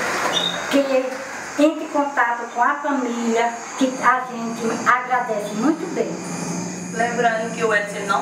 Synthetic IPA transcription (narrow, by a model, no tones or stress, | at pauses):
kee | ẽt̪ɪkõt̪at̪ʊkõɐfɐ̃milɐ | kɪaʒẽnt͡ʃ̪ɪaɡɾad̪ɛsɪmũj̃t̪ʊbẽj̃ | lẽmbɾɐ̃nd̪ʊkɪuɛtenɐ̃